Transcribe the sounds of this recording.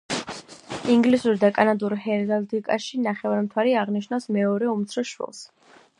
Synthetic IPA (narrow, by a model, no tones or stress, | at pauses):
iŋɡlisuɾd̪akʼanad̪uɾhɛɾd̪ald̪ikʼaʃinaχɛvaɾmt̪ʰwaɾiaʁniʃnavsmɛɔɾɛumt̪sʰɾɔʃwɛ̰lˠs